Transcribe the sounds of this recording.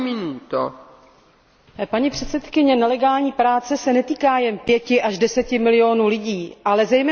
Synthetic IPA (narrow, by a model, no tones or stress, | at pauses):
mɪnut̪o | paɲipr̝̥ɛt̪sɛt̪kɪɲɛnɛlɛɡaːlɲiːpɾaːt͡sɛsɛnɛt̪iːkaːjɛnpjɛcɪʔaʒdɛsɛcɪmɪlɪoːnulɪɟiːʔalɛzɛjmɛː